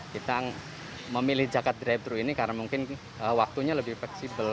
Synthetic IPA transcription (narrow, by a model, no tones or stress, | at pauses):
kit̪a | məmilɪhd͡ʒaɡat̪̚dɾab̚t̪ɾuinikaɾənamuŋkɪn | əwak̚t̪uɲaləbɪhflɛksibəl